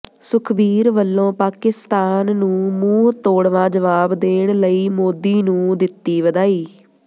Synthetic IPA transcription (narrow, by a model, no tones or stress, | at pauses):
sʊkʰbiːɾʋəlːõːpaːkɪst̪aːnːũːmuːɦt̪oːɽʋãːd͡ʒəʋaːbd̪eːɽləiːmoːd̪iːnũːd̪ɪt̪ːiːʋəd̪aːiː